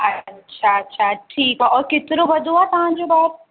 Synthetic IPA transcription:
ɐtːɕʰaɐtːɕʰaʈʰiːkaːɔːɾket̪ɪɾoʋɐd̪ʱuaːt̪ɐʋ̤ãːd͡ʑoːbaːɪɾ

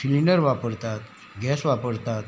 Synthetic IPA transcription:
filinəɾʋapəɽt̪at̪ | ɡɛsʋapəɽt̪at̪

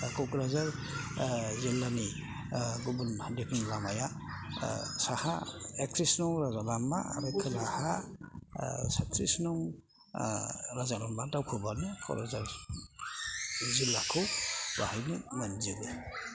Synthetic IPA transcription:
kʰɔkɾazaɾ | zilːani | ɡubundekʰinlamaja | saha̰ek̚tʰɾisnɔŋɾazalama̰ːɾakʰɯlaha | satʰɾisnɔŋ | ɾazalambadawkʰubanɯkʰɔ̰ɾazaɾ | zilːakʰɯwbahajnɯmanziɡɯ

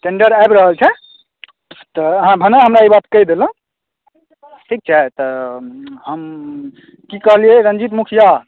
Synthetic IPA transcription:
ʈeɳɖəɾaebɾəɦəlt͡ʃʰɛ | t̪ɔɦãbʱənaɦəmɾaibat̪kəjd̪elə̃ | ʈʰik̚t͡ʃʰɛt̪ɔ | ɦəm | kikəɦliɛɾə̃nd͡ʒit̪mukʰija

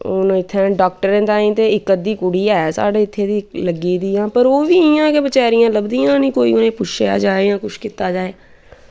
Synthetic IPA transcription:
oːñːɪt̪ʰːɛ̃ːɖaːk̚ʈəɾẽːt̪aːĩːt̪eːɪkːəd̪iːkʊɽiːɛːsa̰ːɖeːɪt̪ʰːeːd̪iːləɡiːd̪iːãːpəɾoːʋiːɪjãːkebət͡ʃaːɾɪjãːləbd̪iːãːnĩːkoːḭːʊnẽːpʊt͡ʃʰea̰ːd͡ʒaːeãːkʊʃkɪt̪ːaːd͡ʒaːeː

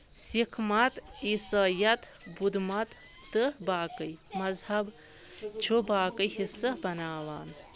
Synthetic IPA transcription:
sikʰmɐt̪isɐjɐt̪bud̪mɐt̪ː | ɨbaːkɨjmɐzhɐb | t͡ʃʰobaːkɨjhisɐbɐnaːʋaːn

